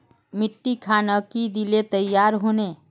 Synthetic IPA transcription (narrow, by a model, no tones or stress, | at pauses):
mɪʈːikʰaːnakid̪ilet̪əjːaːɾɦoːne